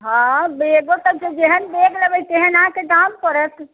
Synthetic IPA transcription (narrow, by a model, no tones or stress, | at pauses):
ɦãbeɡot̪ət͡ʃed͡ʒeɦənbeɡləbəjt̪eɦənaked̪amkɔɾət̪